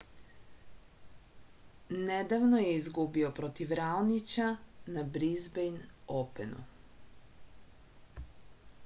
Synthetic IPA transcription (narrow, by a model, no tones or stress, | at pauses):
nɛd̪avnɔjɛizɡubiɔpɾɔt̪ifɾalnit͡ʃanabɾizbɛjnɔpɛnṵ